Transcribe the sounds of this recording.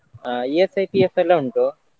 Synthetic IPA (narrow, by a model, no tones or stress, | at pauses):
iesɐjpiːefelːoːuɳʈoː